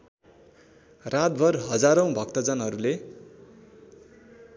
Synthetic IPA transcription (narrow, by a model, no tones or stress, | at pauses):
rat̪̚bʱʌrɦʌd͡zaɾʌw̃bʱʌkt̪ʌd͡zanɦʌɾule